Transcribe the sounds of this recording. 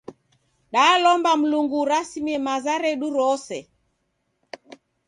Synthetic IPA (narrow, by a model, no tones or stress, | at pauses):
ɗalɔmbam̩luŋɡuɾasimiɛmazaɾɛɗuɾɔsɛ